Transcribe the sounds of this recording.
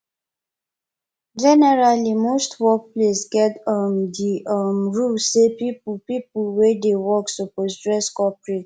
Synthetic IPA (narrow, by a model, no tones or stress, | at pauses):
d͡ʒɛnɛɹalimostwɔk̚plesɡɛtɔmdiʌmɹusepippipulwedewɔksoposdɹɛskɔpɹe